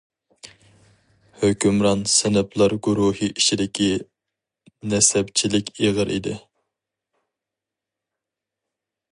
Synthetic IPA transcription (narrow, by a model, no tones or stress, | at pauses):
høkʲymɾɑnsɪnɪplˠɑɾɡuɾuhiʔiʃid̪ɪkʲʰi | nɛsɛpt͡ʃʰilɪkʲʰeʁəɾʔḭd̪ɪ